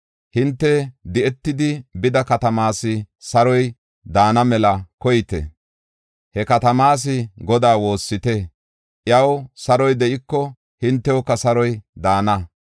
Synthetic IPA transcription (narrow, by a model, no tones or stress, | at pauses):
hɪnt̪ːɛd̪ɪʔɛt̪ːɪd̪ɪbɪd̪ɐkɐt̪ɐmaːsɪ | sɐɾɔj | d̪aːnɐmɛlɐkɔjɪt̪ɛ̰ | hɛkɐt̪ɐmaːs̬ɪɡɔd̪aːwo̞ːsːɪt̪ɛ | ʔjɐwsɐɾɔjd̪ɛʔɪkːɔ | hɪnt̪ːɛwɔkːɐsɐɾɔjd̪aːnɐ